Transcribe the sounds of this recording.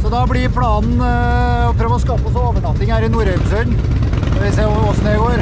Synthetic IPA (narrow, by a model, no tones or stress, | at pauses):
sɔd̪ɑblɪpʰlɑːnn̩ | ɔpʰɾøːʋəɔskɑːpəɔsɔoːʋəʈɑntd̪ɪŋhæːɾɪnuːɾɛɡsœn | nɔʋɪseːɔsneːɡoːɾ